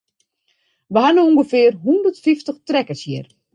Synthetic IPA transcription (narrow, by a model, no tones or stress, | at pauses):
ʋəɦanəuŋɡəfɪərɦundərtfiftəxtrɛkəsjir